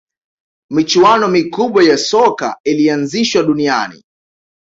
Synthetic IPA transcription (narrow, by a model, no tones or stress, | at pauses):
mit͡ʃuanɔmikuɓwajasɔka̰ilianziʃwaɗunia̰nḭ